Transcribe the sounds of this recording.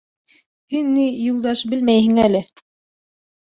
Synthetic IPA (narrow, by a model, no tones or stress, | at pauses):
hɘnːijulˠd̪ɑʃbɘ̆lmæjɦɘ̆ŋælɘ